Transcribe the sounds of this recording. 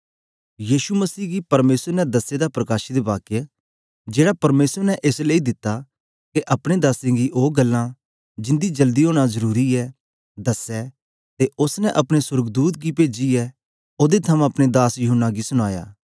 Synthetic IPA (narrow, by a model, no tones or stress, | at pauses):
jiːʃuməsiːɡipɐɾmeːsəɾnɛd̪ɐsed̪apɾɐkaːʃid̪ebaːke | d͡ʒeːɽapɐɾmeːsəɾnɛʔeːsleid̪ɪt̪ːa | keʔɐpɽ̃ed̪aːsẽɡiʔoːɡɐlːã | d͡ʒɪ̃nd̪id͡ʒɐld̪iɦoːɽ̃azɐɾuːɾiɛ | d̪ɐsɛ | t̪eʊsnɛʔɐpɽ̃esʊɾəɡd̪uːt̪̚ɡipeːd͡ʒiɛ | oːd̪et̪ʰɐmãɐpɽ̃ed̪aːsjʊɦʊnːaɡisʊɽ̃aːja̰ː